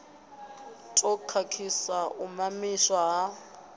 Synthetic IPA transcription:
tʼɔkʰakʰisaʔumamiʃwaɦa

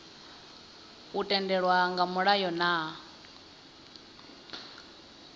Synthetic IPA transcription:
utʼɛndɛɺwaŋɡamuɺajɔna

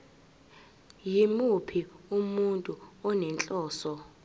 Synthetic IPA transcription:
jimupʰiumuntʼuɔnɛnt͡ɬʼɔːsɔ

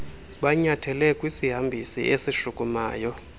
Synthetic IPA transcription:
ɓaɲatʰɛlɛkʼwisiɦambʱisḭʔesiʃukʼuma̰ːjɔ

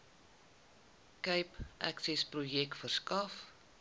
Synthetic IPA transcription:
kəjpʔæ̰ksɛsprujɛk̚tfərskɐf

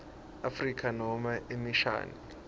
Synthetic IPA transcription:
afrikʰanɔmaʔemiʃa̰ːni

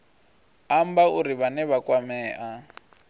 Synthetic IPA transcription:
ambauɾiβanɛβakʼwamɛːʔa

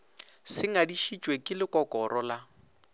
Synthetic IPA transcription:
sɪŋadiʃit͡ʃʼwekʼɪlɪkʼɔkʼɔɾɔla

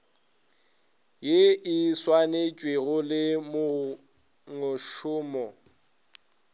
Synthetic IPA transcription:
jɪʔɪswanet͡ʃʼweɣʊlɪmʊ | ŋʊʃʊːmɔ

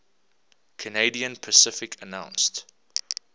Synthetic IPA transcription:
kʰəneɪdiə̃npʰəsɪfɪkʰənãʊ̃nst

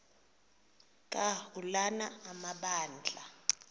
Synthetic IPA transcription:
kʼahulanaːmaɓaːnd͡ɮʱa

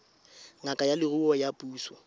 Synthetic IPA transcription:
ŋakʼajalɪrʊɔjapʼuːsɔ

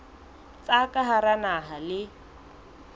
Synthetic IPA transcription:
t͡sʼakʼaɦaɾanaɦalɪ

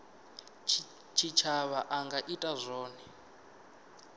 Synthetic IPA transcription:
t͡ʃʰit͡ʃʰaβaʔaŋɡaʔitʼazʷɔːni

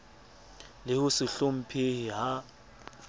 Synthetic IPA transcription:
lɪʊsɪɬom̩pʰehiɦa

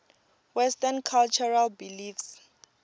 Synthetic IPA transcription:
wɛstɛnkʰalt͡ʃʰɔɹalbilifs

